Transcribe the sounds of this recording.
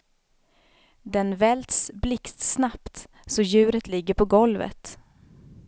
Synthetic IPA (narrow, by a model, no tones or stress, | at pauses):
d̪ɛnvɛlt̪sblɪkt̪snapt̪ | sɔjʉ̟ːɾət̪lɪɡːəɾpʰɔɡɔlvə̰t̪